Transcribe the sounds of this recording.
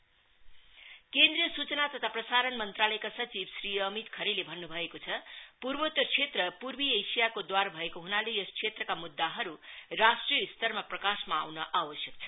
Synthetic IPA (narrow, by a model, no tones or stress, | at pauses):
kend̪rijʌsut͡sʌnat̪ʌt̪ʰaprʌsaɾʌnmʌnt̪ralʌekasʌt͡sibsriʌmit̪kʰʌɾelebʱʌnːubʱʌekot͡sʰʌpurbot̪ʌt͡sʰet̪rʌpurbiejsijakod̪warbʱʌekoɦunalejʌskʰsʰet̪rʌkamud̪ːaɦʌɾurasʈrijʌist̪ʌrmaprʌkasmaːwnʌʔabʌsjʌk̚t͡sʰʌ̥